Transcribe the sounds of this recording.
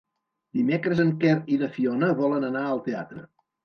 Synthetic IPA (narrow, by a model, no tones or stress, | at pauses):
d̪imekɾəzəŋkɛɾiðəfiɔnəβɔlənənaəlˠt̪ea̰t̪ɾə̰